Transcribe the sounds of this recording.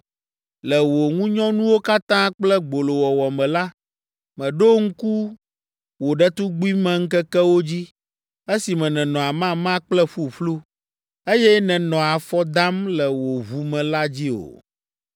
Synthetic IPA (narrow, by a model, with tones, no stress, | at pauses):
lɛ˨wo˨ŋũ˦ɲɔ̃˦nũ˦wo˦ka˦t̪ã˦k͡plɛ˦ɡ͡bo˨lo˨wɔ˨wɔ˨mɛ̃˨la˦ | mɛ̃˨ɖo˦ŋ̩˦ku˦ | wo˨ɖɛ˦t̪u˦ɡ͡bu˦i˦mɛ̃˦ŋ̩˦kɛ˦kɛ˦wo˦d͡ʑi˦ | e˦si˨mɛ̃˨nɛ̃˨nɔ̃˨a˨mã˦mã˦k͡plɛ˦ɸu˦ɸlu˦ | e˦jɛ˦nɛ̃˨nɔ̃˨a˨fɔ˦d̪a˦mlɛ˨wo˨vu˨mɛ̃˨la˦d͡ʑi˦o̰˨